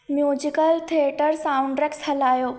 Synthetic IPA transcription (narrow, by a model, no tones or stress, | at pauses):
mjuːd͡ʑikəlt̪ʰieʈəɾsaũɳɖɾekshɐlaːjoː